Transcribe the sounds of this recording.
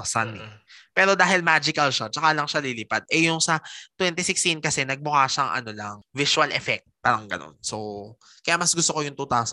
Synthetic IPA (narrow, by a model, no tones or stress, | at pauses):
sanɛpɛːɾo̞d̪aːɦɪlmad͡ʒɪkɐlʃat͡ʃɐkalɐŋʃalilɪpad̪̚ʔɛjʊŋsɐt̪wɛnt̪ɪsɪkst̪inkɐsɛnɐɡ̚bʊkaːʃɐʔŋʔɐ̰no̞lɐŋvɪʃwɐlʔɛfɛk̚t̪̚paːɾɐŋɡɐ̰no̰nso | kɐjamɐsɡʊst̪okojʊŋt̪ʊt̪aːs